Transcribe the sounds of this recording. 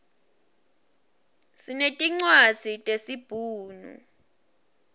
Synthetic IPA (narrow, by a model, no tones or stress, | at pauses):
sinetʼiŋ͡ǀwaz̥ʱitʼesib̥ʱuːnṵ